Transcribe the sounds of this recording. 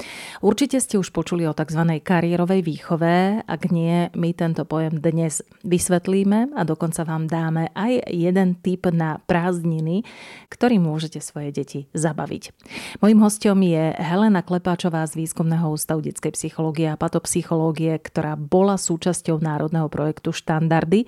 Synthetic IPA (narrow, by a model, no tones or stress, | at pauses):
uɾt͡ʃicɛscɛuʃpɔt͡ʃuliɔt̪aɡzʋanɛjkaɾiɛɾɔʋɛjʋiːxɔʋɛa̰ɡɲɪɛmit̪ɛnt̪ɔpɔjɛmd̪ɲɛz̥ | ʋisʋɛt̪liːmɛad̪ɔkɔnt͡saʋaːmd̪aːmɛʔajjːɛd̪ɛnt̪ipnapɾaːzɲinikt̪ɔɾiːmʊɔʒɛcɛsʋɔjɛɟɛcizaba̰ʋḭcmɔjimɦɔscɔmjɛɦɛlɛnaklɛpaːt͡ʃɔʋaːzʋiːskumnɛɦɔuːst̪aʊɟɛt͡skɛjpsixɔlɔːɡiɛapat̪ɔpsixɔlɔːɡiɛkt̪ɔɾaːbɔlasuːt͡ʃascɔʊnaːɾɔd̪nɛɦɔpɾɔjɛkt̪uʃt̪and̪aɾd̪i